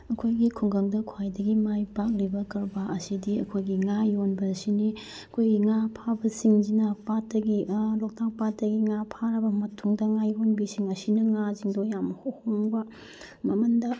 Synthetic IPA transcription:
ɐkʰojɡikʰuŋɡɐŋdɐkʰwajdɐɡimajpak̚libɐkɐɾbɐʔɐsidiɐkʰojɡiŋajonbɐsini | ɐkʰojɡiŋapʰabɐsiŋd͡ʒinɐpatːɐɡilok̚tak̚patdɐɡiŋapʰaɾɐbɐmɐtʰuŋdɐŋajonbisiŋɐsinɐŋaziŋdojamhohoŋbɐ | mɐmɐndɐ

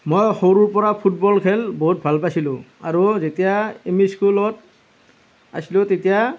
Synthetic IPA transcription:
mojxoɹuɹpɔɹapʰut̚bɔlkʰɛlboɦut̚bʱalpasilʊ̃aɹuzetijaemiskulɔt | a̰silʊ̃tetija

